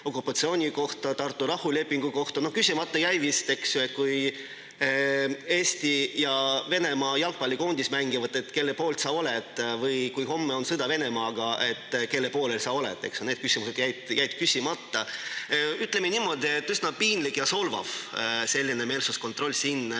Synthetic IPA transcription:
o̞kːˑupːˑɑt̪sio̞ːnʲiko̞ht̪ɑt̪ɑrt̪ːˑuɾɑhule̞pːˑiŋɡ̥uko̞ht̪ɑno̞hkysʲimɑt̪ːˑɑjæjvist̪e̞ksjue̞t̪̚kuj | e̞ːsʲt̪ijɑve̞ne̞mɑjɑlk̚pɑlʲːiko̞ːnd̪ismæŋɡivɑd̪ˑe̞t̪ːˑke̞lːepo̞ːlt̪sɑolɛt̪ːˑvɯjkujho̞mːeo̞nsɨd̪̥ɑve̞ne̞mɑːɡ̥ɑʔe̞t̪ːke̞lːepo̞ːlelsɑo̞lɛ̰t̪ːˑe̞̰ksjune̞d̪̥kysimuse̞d̪̥jæjd̪jæjt̪̚kysʲimɑt̪ːɑ | yt̪ːˑle̞meniːmːo̞d̪ie̞t̪ːysnɑpiːnlikjɑso̞lvɑ̰vse̞lːineme̞ːlsusko̞nt̪ːˑɾro̞lʲːsiːnː

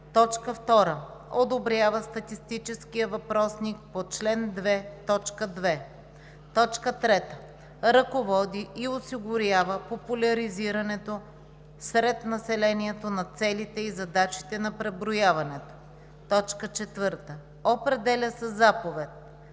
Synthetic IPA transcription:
t̪ɔt͡ʃkəft̪ɔɾəod̪obɾʲjavəst̪ɐt̪ist̪it͡ʃɛskijəvɐpɾɔsnik̚pot͡ʃlɛnd̪vɛt̪ɔt͡ʃkəd̪vɛ | t̪ɔt͡ʃkət̪ɾɛt̪ə | ɾɐkovɔd̪iʔiosiɡʊɾʲavəpopʊlʲɐɾiziɾɐnɛt̪o | sɾɛt̪nɐsɛlɛniɛt̪onɐt̪sɛlit̪ɛizɐd̪at͡ʃi̥t̪ɛnɐpɾɛbɾojavɐnɛt̪o̥ | t̪ɔt͡ʃkət͡ʃɛt̪vəɾt̪ə | opɾɛd̪ɛlʲəsɛzapovɛt̪̚

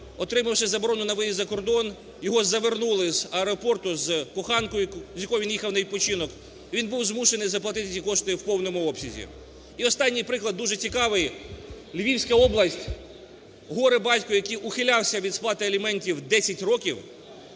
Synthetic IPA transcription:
ɔt̪ɾɪmɐwʃɪzɐbɔɾɔnʊnɐʋɔjizɐkɔrd̪ɔn | jɔɦɔzɐʋernulˠɪzɐɛɾɔpɔrt̪ʊzkɔxɑnkɔjʊzʲjɐkɔjɔʋʲinjixɐwnɐʋʲipɔt͡ʃinɔkʲ | inbuwzmuʃenɪjzɐplˠɐt̪ɪt̪̬ɪt͡sʲikɔʃt̪ɪwpɔwnɔmʊɔpsʲizʲḭ | iɔst̪ɑnʲːijpɾɪklˠɐd̪ːuʒɛt͡sʲikɑʋɪj | lʲʋʲiwsʲkɐɔblˠɐsʲtʲ | ɦɔɾɪbɑtʲkʊjɐkɪjʊxɪlʲɑwsʲɐʋʲid̪splˠɑt̪ɪɐlʲimɛnʲtʲiwd̪ɛsʲɐtʲrɔkʲiw

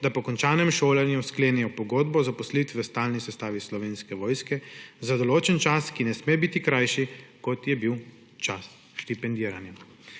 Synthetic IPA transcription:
d̪apɔkɔnt͡ʃaːnɛmʃoːlanjuskleːnɛjɔpɔɡoːd̪bɔzapɔslit̪ʋst̪aːlnisɛst̪aːʋislɔʋeːnskɛʋɔːjskɛzad̪ɔloːt͡ʃɛnt͡ʃaskinɛsmebit̪ikɾajʃikɔt̪jɛbiw | t͡ʃas | ʃt̪ipɛnd̪iːɾanja

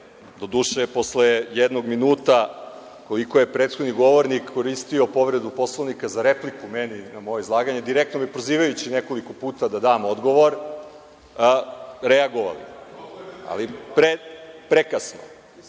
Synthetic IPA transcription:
d̪o̞d̪uʃepo̞slejed̪noɡminuːt̪a | ko̞liko̞je̞pɾet̪xod̪niɡo̞ʋo̞ɾnikːo̞ɾist̪io̞po̞ʋɾe̞d̪upo̞slˠoʋnikazaɾeplikumeninamojeizlˠaːɡaɲed̪iɾek̚t̪no̞mipɾoziːʋajut͡ɕineko̞liko̞puːt̪ad̪ad̪aːmod̪ɡo̞ʋo̞ɾ | ɾeaɡoʋa̰lḭ | a̰lipɾepɾekasno̰

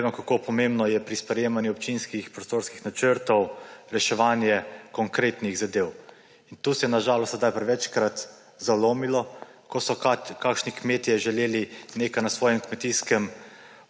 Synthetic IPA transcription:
emɛkakoːpɔmembnɔjɛpɾispɾɛjeːmanjuɔp̚t͡ʃinskixpɾɔst̪oɾskixnat͡ʃəɾt̪ɔwɾɛʃɛʋanjɛkɔŋkɾeːt̪niɣzad̪eːw | int̪uːsɛjɛnaʒaːlɔst̪zd̪ajpɾɛʋɛt͡ʃkɾat̪ | zaloːmilɔkɔsɔkakʃnikmeːt̪ijɛʒɛleːlinekajnasʋɔːjɛmkmɛt̪iskɛm

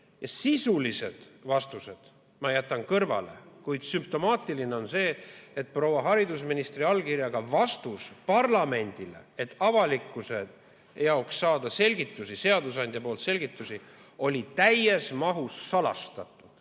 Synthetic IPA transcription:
jɑsisulise̞̰d̪̥vɑst̪use̞d̪̥ | mɑjæt̪ːˑɑnkɤrvɑ̰le̞̰kujd̪̥symp̚t̪o̞mɑːt̪ːˑiline̞o̞nse̞ːet̪̚pro̞wɑɦɑɾid̪usminist̪riɑlkirjɑɡ̥ɑvɑst̪uspɑrlɑme̞nʲd̪̥ile̞̰et̪ːɑvɑlikːˑuse̞ | jɑwksːɑːd̪ɑse̞lʲɡit̪ːˑusise̞ɑd̪usɑnʲd̪jɑpoːlt̪se̞lʲɡ̥it̪ːˑusi | o̞lʲit̪æje̞smɑɦusːɑlɑ̰st̪ɑt̪ːˑud̪̥

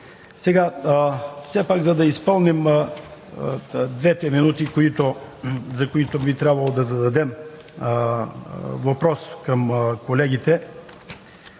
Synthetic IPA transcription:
sɛɡa | fsɛpaɡzɐd̪ɐispɤlˠnim | d̪vɛt̪ɛminut̪ikoit̪ozɐkoit̪obit̪ɾʲabvɐlˠod̪ɐzɐd̪ɐd̪ɛm | vɐpɾɔskɐmkolɛɡit̪ɛ

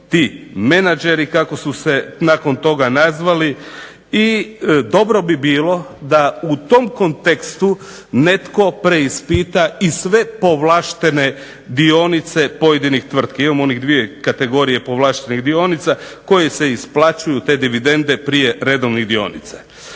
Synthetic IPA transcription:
t̪imenad͡ʒe̞ɾikako̞suse̞nako̞nt̪o̞ɡanazʋali | id̪o̞bɾo̞bibiːlˠo̞d̪aut̪o̞mko̞nt̪e̞kst̪u | ne̞t̪ko̞pɾe̞ispiːt̪aisʋe̞po̞ʋlaːʃt̪e̞ne̞ | d̪io̞nit̪se̞po̞jed̪inixt̪ʋr̩t̪kiimamo̞niɣd̪ʋijekat̪e̞ɡo̞ɾije̞po̞ʋlˠaːʃt̪e̞niɣd̪io̞nit̪sako̞jese̞isplat͡ʃujut̪e̞ːd̪iʋid̪e̞nd̪e̞pɾije̞ɾe̞d̪o̞ʋniɣd̪io̞̰nḭt̪sa

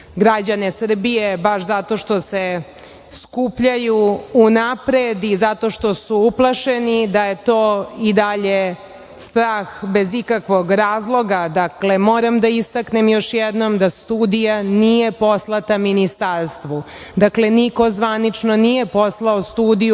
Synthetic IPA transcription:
ɡɾad͡ʑanesr̩bijebaʃzat̪o̞ʃt̪ose | skupʎajuːnapɾed̪izat̪o̞ʃt̪osuuplˠaʃenid̪aje̞t̪oːid̪aʎe | st̪ɾaːxbezikakʋo̞ɡɾaːzlˠo̞ɡad̪akle̞moːɾamd̪aist̪aknemjo̞ʃjɛd̪nomd̪ast̪uːd̪ijanije̞po̞slˠat̪aminist̪aɾst̪ʋu | d̪akle̞niko̞zʋanit͡ʃnonije̞poslˠaost̪uːd̪iju

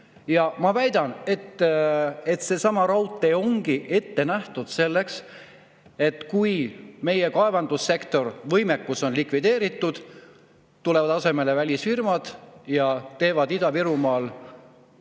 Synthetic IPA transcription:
jɑmɑvæjd̪̥ɑne̞t̪ː | e̞t̪se̞sɑmɑɾɑwt̪ˑːeo̞ŋɡ̥iʔe̞t̪ːe̞næht̪ud̪̥se̞lːe̞ks | e̞t̪ːkujme̞jekɑe̞vɑnd̪̥usːe̞kt̪o̞rvɤjme̞kːuso̞nlikvid̪̥e̞ːɾit̪ːˑud̪̥ | t̪ːule̞vɑd̪ɑse̞me̞le̞vælʲisfirmɑd̪̥jɑt̪e̞ːvɑd̪id̪̥ɑviɾumɑːl

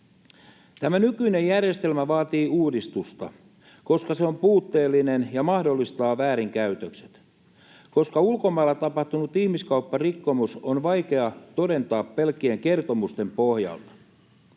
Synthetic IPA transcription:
t̪æmænykyine̞jærjest̪elmæʋɑːt̪iːuːdist̪ust̪ɑ̰ | ko̞skɑseo̞mpuːt̪ːe̞ːlːinenjɑmɑhdolːist̪ɑːʋæːɾiŋkæyt̪økse̥t̪ | ko̞skɑulko̞mɑːlːɑt̪ɑpɑht̪unut̪ihmiskɑupːɑrikːo̞musonʋɑjke̞ɑt̪o̞de̞nt̪ɑːpːelk̟ːieŋke̞rt̪o̞must̪e̞mpo̞hjɑ̰lt̪ɑ̥

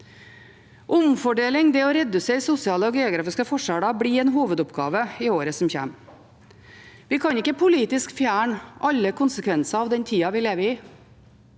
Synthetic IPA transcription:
ʔʊmfɔɖeːlɪŋd̪ɛoːɾɛd̪ʉseːɾsʊsɪɑːləɔːɡeːʊɡɾɑːfɪskəfɔʂɑːɽɑbɽiɛːnɦuːʋəd̪ʊpɡɑ̰ːʋəɪoːɾəsɔmçæ̰m | ʋɪkʰɑnɪkːəpʰʊliːt̪ɪskfjæːɳʔɑʎːəkʰʊnsəkʰʋɛnsɑɑːʋd̪ɛnt̪ʰiːɑʋɪːleːʋəɪː

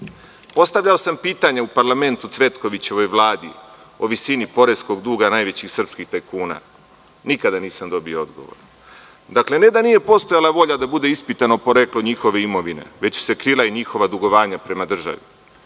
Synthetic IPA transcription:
po̞st̪avʎaosampiːt̪aɲaupaɾlˠame̞nt̪ut̪sʋe̞t̪ko̞ʋit͡ɕe̞ʋo̞jʋlˠaːd̪ḭ | o̞ʋisinipo̞ɾesko̞ɡd̪uːɡanaːjʋe̞t͡ɕixsr̩pskixt̪ajkuːna̰ | nikad̪aniːsamd̪o̞biood̪ɡo̰ʋo̰ɾ | d̪akle̞ne̞d̪anije̞po̞st̪o̞jalˠaʋo̞ʎad̪abud̪e̞ispit̪anopo̞ɾe̞klˠo̞ɲixo̞ʋe̞imo̞ʋine̞̰ʋe̞t͡ɕse̞kɾiːlˠaiɲixo̞ʋad̪uɡo̞ʋaːɲapɾe̞mad̪r̩ʒa̰ʋḭ

